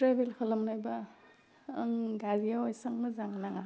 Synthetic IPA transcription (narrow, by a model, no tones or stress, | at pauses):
tɾabelkʰalamnajbaː | ŋɡaɾijawajsaŋmɯzaŋnaŋa